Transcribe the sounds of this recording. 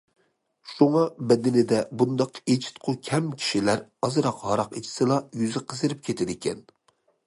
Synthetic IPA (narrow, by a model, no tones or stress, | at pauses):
ʃuŋɑbɛd̪ɪnɪd̪ɛbund̪ɑqʰet͡ʃʰi̥t̪qʰʊkʲʰɛmkʲʰi̥ʃilæɾɑzɨɾɑqɦɑɾɑqet͡ʃʰi̥sɨlˠɑjyzɪqʰəzɨɾɪp̚kʲʰet̪ʰɪd̪ɪkʲɛn